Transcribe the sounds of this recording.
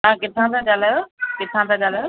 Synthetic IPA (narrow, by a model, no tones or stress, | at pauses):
ɦãkɪt̪ʰãt̪ʰãɠalaːjokɪt̪ʰãt̪ʰãɠalajo